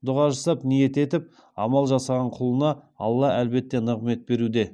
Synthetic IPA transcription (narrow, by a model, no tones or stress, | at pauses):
d̪ʊʁɑʒɑsɑpnije̞t̪e̞t̪ɪp̚ | ɑmɑlˠʒɑsɑʁɑɴqʰʊlˠənɑɑ̰lˠːɑʔælbe̞t̪ːe̞nəʁme̞t̪̚be̞ɾud̪e̞